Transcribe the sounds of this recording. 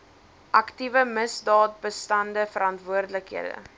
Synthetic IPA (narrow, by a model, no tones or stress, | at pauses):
ʔɐktivəməsdɑːt̚bəstɐndəfəɾɐntvuərdələkɦḭədə̰